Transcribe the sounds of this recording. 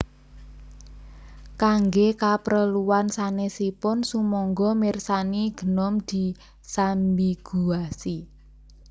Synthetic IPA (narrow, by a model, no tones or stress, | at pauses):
kaŋɡekapɾəluwansanesipʊnsumɔŋɡɔmirsaniɡ̥ə̤nɔmd̪̥i̤ | sambiɡ̥uasi